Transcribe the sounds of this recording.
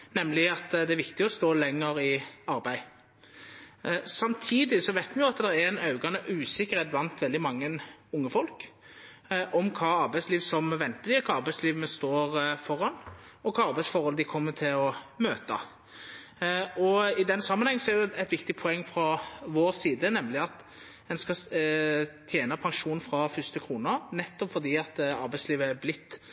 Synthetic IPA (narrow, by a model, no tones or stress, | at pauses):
nɛmːlɪɑt̪d̪ɛæɾʋɪkt̪ɪɔst̪oːlɛŋːəɾɪɑɾbæɪ | sɑmt̪ʰiːd̪ɪsɔʋæɪt̪mɛjʊɑt̪d̪ɛɾɛæɛɪnɑʉɡɑnəʔʉːsɪkːəɾheːt̪̚blɑnt̪ʋɛld̪ɪmɑŋːənʊŋːəfɔlk | ʔɔmkʰɑːɑɾbæɪsliːʋsɔmʋɛnt̪əd̪ɪkʰɑːɑɾbæɪsliːʋnəst̪oːɾfɔɾːɑnɔkʰɑːɑɾbæɪsfɔɾhɔləd̪ɪkʰɔmːət̪ʰɪlɔmøːt̪ə̰ | ɔɪd̪ɛnsɑmːənhɛŋːən̩sɔɛɾjʊɛt̪ʋɪkt̪ɪpʰɔɛŋːfɾɑʋoːɾsiːd̪ənɛmlɪɑt̪ | ɛnskɑ | t̪ʰjeːnəpʰɑŋʃuːnfɾɑfʏst̪əkʰɾuːnənɛt̪ːɔpfɔɾd̪iːɑt̪ɑ̰ɾbæɪsliːʋəæblɪt̪ː